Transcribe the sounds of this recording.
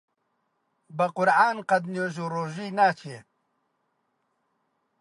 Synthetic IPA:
bɐqʊɾaːnqɐd̪njoːʒoːroːʒiːnaːt͡ʃʰe

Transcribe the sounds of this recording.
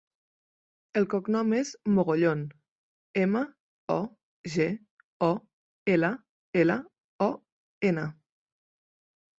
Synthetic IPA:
əlˠkɔknɔmezmoɣoʎon | emə | ɔ | ʒe | ɔ | elə | elə | ɔ | enə

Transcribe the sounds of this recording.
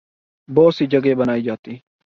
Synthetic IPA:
boːsɪd͡ʒɐɡeːbɐnaːjɪd͡ʒaːt̪ːi

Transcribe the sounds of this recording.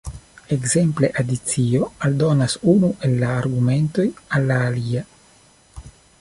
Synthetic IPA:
e̞kze̞mple̞ʔadit͡sio̞aldo̞nasunuʔe̞lːaːɾɡume̞nto̞jalːaːlia

